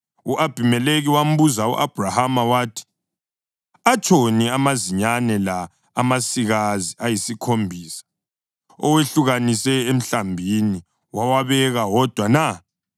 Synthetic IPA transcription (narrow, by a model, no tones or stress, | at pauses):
uʔab̥ʱimɛleɣiwam̩βuzaṵʔab̥ʱrahamawaːtʰi̥ | at͡ʃʼoniamaziɲanɛlaː | masiɣaziajisikʰombʱiːsḁ | ɔ̰weɬuɣanisɛem̩ɬambʱini | wawaβɛɣawɔd̥ʱwana